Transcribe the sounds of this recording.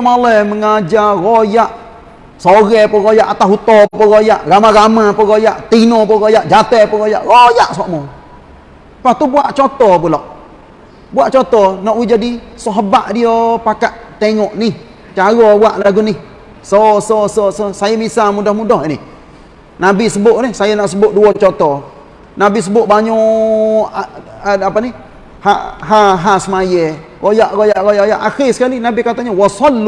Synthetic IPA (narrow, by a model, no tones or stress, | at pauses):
maləməŋad͡ʒaɣojaʔ | soɣɛpɔɣojaʔat̪aɦut̪ɔpɔɣojaʔɾamaɣamapəɣojaʔt̪inɔpɔɣojaʔd͡ʒat̪ɛpɔɣojaʔɾojaʔsɔʔmɔ | past̪ubuaʔt͡ʃɔt̪ɔpulɔʔ | buaʔt͡ʃɔt̪ɔnɔʔwid͡ʒadisɔɦbaʔdiopakaʔt̪eŋɔʔnih | t͡ʃaɣɔbuaʔlaɡuni | sɔsɔsɔsɔsajamisamudahmudɔɦini | nabisəbʊʔnɛhsajanaʔsəbʊʔduwɔt͡ʃɔt̪ɔ | nabis̬əbʊʔbaɲɔ | apani | haɦaɦasəmajekojaʔkojaʔkojajaʔaxisə̥kalinabikat̪aɲawasɔlːu